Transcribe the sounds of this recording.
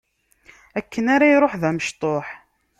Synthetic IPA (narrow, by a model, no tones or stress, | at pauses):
ækːənaɾajɾˤoħðæməʃt̪ˤoħ